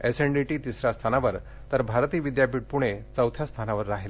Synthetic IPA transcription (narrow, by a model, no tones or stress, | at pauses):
eseɳɖiʈiːt̪isɾjast̪ʰanaʋəɾ | t̪əɾbʱaɾt̪iːʋid̪japiːʈ̚puɽ̃et͡səwt̪ʰjast̪ʰanaʋəɾːaɦel